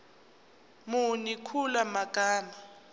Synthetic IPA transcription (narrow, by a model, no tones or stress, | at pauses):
munikʰulamakʼaːna